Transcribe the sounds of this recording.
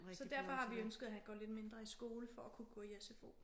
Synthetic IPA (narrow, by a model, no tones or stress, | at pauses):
sɒ̽d̥æɐfɒ̽hɑ̈ʋiønsɡ̥əð̩ˠæɦænɡ̥ɒ̰ːle̝d̥me̝nd̥ʁɐisɡ̥o̝ːləfɒ̽ækʰuɡ̥ɔ̰ːijæsefo̝̰ː